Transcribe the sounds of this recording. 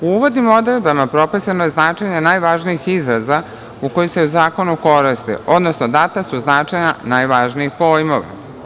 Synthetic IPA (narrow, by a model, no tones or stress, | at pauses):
uuʋo̞d̪nimo̞d̪ɾed̪̚bamapɾo̞pisanoje̞znaːt͡ʃeɲenaːjʋaʒnijixizɾaza | uko̞jise̞uzaːko̞nuko̞ɾist̪ḭʔo̞d̪nosnod̪at̪asuznaːt͡ʂeɲanajʋaʒniixpoːjmoʋa̰